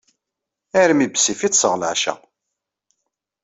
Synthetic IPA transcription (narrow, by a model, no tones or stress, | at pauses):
æɾmibsifit͡sːsəʁlaʕʃæ̰